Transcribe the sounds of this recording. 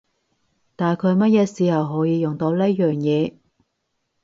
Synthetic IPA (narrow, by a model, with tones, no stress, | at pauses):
t̪aː˨˩nkʰɵ˨˧jmɐ˥t̚jɛː˨˧siː˨˧hɐ˨wɦɔː˨˥jiː˨˧jʊ˨˩ŋt̪o˨˧˥wle˥jœː˨ŋjɛː˨˧